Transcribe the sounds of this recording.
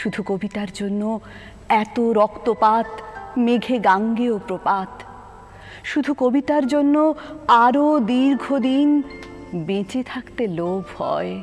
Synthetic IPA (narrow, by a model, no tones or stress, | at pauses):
ʃud̪ʱukobit̪aɾd͡ʑonːo | ɛt̪oɾɔkt̪opat̪meɡʱeɡaŋɡeopɾopat̪ | ʃud̪ʱukobit̪aɾd͡ʑonːoaɾod̪iɾɡʱod̪in | bẽt͡ɕet̪ʰakt̪elobhɔ̰e